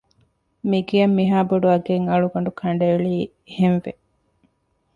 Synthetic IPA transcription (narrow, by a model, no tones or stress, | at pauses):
miɡijɐmːiɦaːboɖuɐɡeŋɐɭuɡɐɳɖukʰɐɳɖɐeɭiː | henʋe